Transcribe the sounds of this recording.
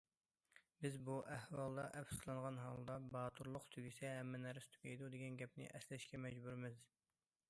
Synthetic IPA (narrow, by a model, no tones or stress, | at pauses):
bɪzbuʔæhwɑlˠd̪ɑʔɛpsslˠɑnʁɑnɦɑlˠd̪ɑbɑːt̪ʰuɾlˠʊqt̪ʰyɡʲisɛɦɛmːɛnɛɾɪst̪ʰy̥kʲʰɛjd̪ud̪eɡʲɛnɡʲɛpnɪ̰ʔɛslɛʃkʲɛmɛd͡ʒbuɾɪmɪz